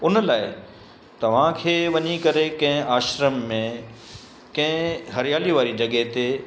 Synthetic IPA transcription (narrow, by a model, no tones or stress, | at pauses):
ʊnlaːɪ | t̪ɐʋ̤ãkʰeːʋɐɲikɐɾekɐ̃ɦɪ̃aːʃɾəmːẽ | kɐ̃ɦɪ̃ɦɐɾɪjaːliʋaːɾid͡ʑɐɠəɦt̪e